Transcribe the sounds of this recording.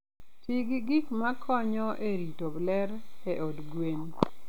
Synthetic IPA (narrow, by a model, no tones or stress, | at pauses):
tiɡiɡikmakʰɔɲɔʔeɾitoblɛɾeʔodɡwen